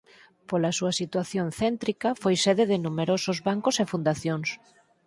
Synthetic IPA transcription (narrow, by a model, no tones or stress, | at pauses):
polɐsuɐsit̪waθjonθɛnt̪ɾikɐfojseðeðɪnumeɾosozβaŋkosefund̪aθjoŋs